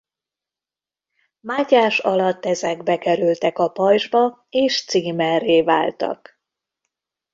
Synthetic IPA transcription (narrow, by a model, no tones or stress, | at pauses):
maːcaːʃɒlɒt̪ːɛzɛɡbɛkɛɾylt̪ɛkɒpɒjʒbɒ | eːʃt̪siːmɛreːva̰ːlt̪ɒ̰k